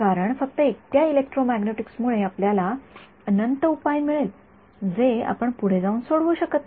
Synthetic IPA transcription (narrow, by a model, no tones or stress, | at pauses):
kaɾəɳfək̚t̪əekt̪jailek̚ʈɾomæɡneʈiksmuɭeapljala | ənənt̪əupajmiɭel | d͡zea̰pəɳpuɽ̤ed͡zauːnsoɽʋuɕəkət̪